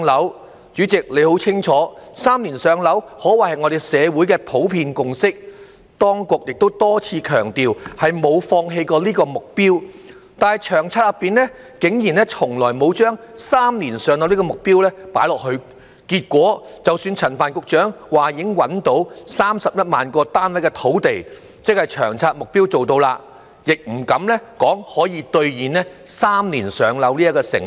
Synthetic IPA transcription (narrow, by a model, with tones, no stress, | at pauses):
lɐ˨˥w | t͡ʃyː˨˥t͡sɪ˨k̚le˨˧jho˨˥wt͡sʰɪ˥ŋt͡ʃʰɔː˨˥saː˥mniː˨˩nsœː˨˧ŋlɐ˨˥whɔː˨˥wa˨˩hɐ˨jŋɔː˨˧d̪e˨˩jsɛː˨˧wu˨˥jkɛː˧pʰo˨˥wpʰiː˧nkʊ˨ŋsɪ˥k̚ | t̪ɔː˥ŋkʊ˨k̚jɪ˨k̚t̪o˥wt̪ɔː˥t͡sʰiː˧kʰœː˨˩ŋt̪iː˨whɐ˨jmo˨˧wfɔː˧ŋɦe˧jkɔː˧liː˥kɔː˧mʊ˨k̚piː˥w | t̪aː˨nɦɐ˨jt͡ʃʰœː˨˩ŋt͡sʰaː˧t̚lɐ˨˩pːiː˨nɛ˥ | kɪ˨˥ŋjiː˨˩nlɛ˥t͡ʃʰʊ˨˩ŋlɔː˨˩jmo˨˧wt͡ʃœː˥ŋsaː˥mniː˨˩nsœː˨˧ŋlɐ˨˧wli˥kɔː˧mʊ˨k̚piː˥wlɛː˥paː˨˥jlɔː˨˩k̚hɵ˧ɥ | kiː˧t̚kʷɔː˨˥ | t͡sɐ˨wsyː˧nt͡sʰɐ˨˩nfaː˨˩nkʊ˧k̚t͡ʃœː˨˥ŋwaː˨˩ji˨˧˥ŋwɐ˨˥nt̪o˨˧˥wsaː˥msɐ˨p̚jɐ˥t̚maː˨nkɔː˧t̪aː˥nwɐ˨˥jkɛ˧t̪ʰo˨˥wt̪e˨j | t͡sɪ˥k̚hɐ˨jt͡ʃʰœ̰ː˨˩ŋt͡sʰaː˧t̚mʊ˨k̚piː˥wt͡so˨wt̪o˧wlaː˧ | jɪ˨k̚m̩˨˩kɐ˨˥mlɛ˥kɔː˨˥ŋhɔː˨˥jiː˨˧t̪ɵ˧ɥjiː˨nɛ˥saː˥mniː˨˩nsœː˨ŋlɐ˨˧wliː˥ɐ˥tkːɔː˧sɪ̰˨˩ŋ